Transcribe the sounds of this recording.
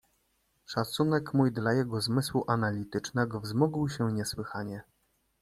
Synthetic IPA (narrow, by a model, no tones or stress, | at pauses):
ʂat̪sunɛkmujd̪lajɛɡɔzmɘswuʔanalʲit̪ɘt͡ʂnɛɡɔvzmuɡwɕɛɲɛswɘxaɲɛ